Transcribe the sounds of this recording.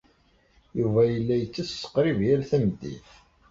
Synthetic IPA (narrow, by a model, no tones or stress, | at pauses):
juvæjəlːæjət͡sːæssə̥qːɾivjæɾθæmd̪ḭθ